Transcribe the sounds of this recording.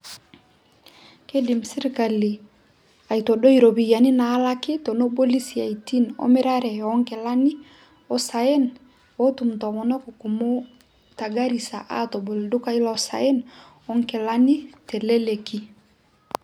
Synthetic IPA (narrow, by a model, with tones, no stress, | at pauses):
ke˦di˨msi˦ɾka˨li˨ | a˨jto˨ɗo˦iɾo˨bija˨ni˦naː˨˦la˦ki˦to˨no˦bo˦li˦sia˨jtino̰mɛ˦ɾa˦ɾɛ˨ɔ˦ŋkɛ˨la˦ni˦ | o˦sa˨ɛ˦n | otu˨mtɔ˨mɔ˨no˦kɔku˨mo˦ | ta˨ɡa˦ɾi˨sa̰˨ʔa˦to˨bo˨ldu˦ka˦i˦la˨osa̰˨ɛ˦n | ɔ˦ŋkɛ˨lani˦tɛ˨le˦le˨ki˦